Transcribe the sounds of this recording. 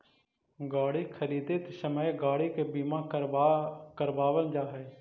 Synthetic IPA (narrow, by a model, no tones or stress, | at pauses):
ɡaːɽikʰəɾiːd̪et̪səməjɡaːɽikebiːmã | kəɾbaːʋəld͡ʒaːɦɛː